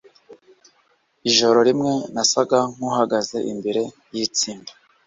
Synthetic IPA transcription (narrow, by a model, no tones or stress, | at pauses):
iʒo̞ɾo̞ɾimŋe̞nasaɡaŋ̥huhaɡaze̞ʔimbiɾe̞ | jit͡siːmba